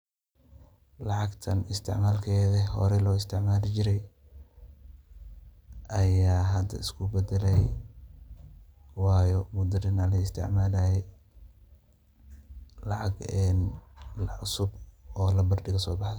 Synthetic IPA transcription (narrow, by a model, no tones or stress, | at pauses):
lɑʕɑɡt̪ʰɐnɪst̪ʰɪ̰ʕmaːlkʰɛːðɐhɔ̰ɾɛlɔːɪst̪ʰɪʕmaːlɪt͡ʃɪɾɛj | ʔɐjaːɦɐd̪ɐ̰ɪskʰʊbɛd̪ɛlɛj | wɑːjɔmʊd̪ɐɾɪnɐlɛɪst̪ʰɪ̰ʕmaːlaːjɛ | lɑʕɑɡɛːnlɐʕʊsʊbɔːlɐbɐrɖɪɣɐsɔːbɑħðɛ